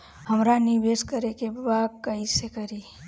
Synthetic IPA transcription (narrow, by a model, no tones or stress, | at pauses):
həmɾanibeːskəɾekebaːd̪̚kəisekəɾi